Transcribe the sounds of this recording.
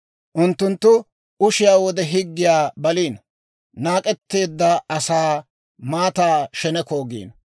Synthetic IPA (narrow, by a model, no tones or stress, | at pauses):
ʔʊnt̪ːʊnt̪ːʊ | ʊʃɪjaːwɔd̪ɛɦɪɡːɪjaːbɐliːn | naːkʼɛt̪ːe̞ːd̪ːɐɐsaː | maːt̪aːʃɛnɛkoːɡḭːn